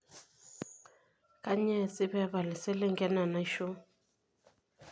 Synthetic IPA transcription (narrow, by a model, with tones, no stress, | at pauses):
ka˦ɲɛ˦˨sɪ˦βɛ˦βa˨lɪ˨sɛ˦lɛ˦ŋɡɛ˦na˨na˨i˦ʃɔ˦